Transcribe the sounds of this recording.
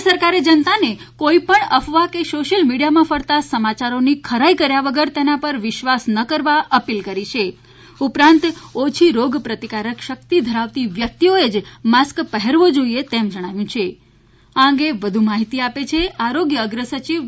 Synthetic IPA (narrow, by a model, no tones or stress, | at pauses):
səɾkaɾed͡ʒənt̪ane | koipəɳəfʋakesoʃəlmiɽijamãfəɾt̪asəmat͡ʃaɾonikʰəɾaikəɾjaʋəɡəɾt̪enapəɾʋɪʃʋasnəkəɾʋaʔəpilkəɾit͡ʃʰe | upɾãnt̪ot͡ʃʰiɾoɡpɾət̪ikaɾəkʃək̚t̪id̪ʱəɾaʋt̪iʋjək̚t̪ioed͡ʒmaskpəɦɛɾʋod͡ʒoiet̪emd͡ʒəɽ̃aʋjũt͡ʃʰe | aə̃ŋɡeʋəd̪ʱumaɦit̪iapet͡ʃʰeaɾoɡjəːɡɾəsət͡ʃiʋ